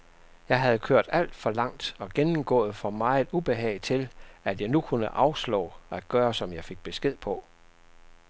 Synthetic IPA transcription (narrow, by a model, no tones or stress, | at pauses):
jɑ̈ɪɦæð̞ˠkʰøɐ̰d̥æl̰d̥fɒ̽lɑ̈ŋ̰d̥ɒ̽ɡ̥enm̩ɡ̥ɔ̰̽ːð̩ˠfɒ̽mɑ̈ɪd̥ub̥e̝ɦɛ̰ɪt͡sʰe̝læd̥jɑ̈ɪnukʰunəʔɑ̈ʊslɔ̰ːæ̥ɡ̥ɶːɐsɒ̽mjɑ̈ɪfe̝ɡ̥̚b̥e̝sɡ̥e̝ð̞̰ˠpʰɒ̽